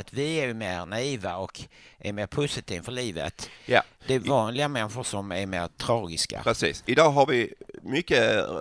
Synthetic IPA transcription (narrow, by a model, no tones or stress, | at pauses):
t̪vɪæɾjɵmeːɾnaiːvaɔkʔæɾmeːɾpʰʊsɪt̪ʰiːfœɭiːvə̰t̪jad̪̥ɛvɑːnlɪamɛnɧʊʂɔmæɾmeːɾt̪ʰɾɑːɡɪska̰ɾɛsiːsɪd̪ɑːɦaɾvɪmʏkːə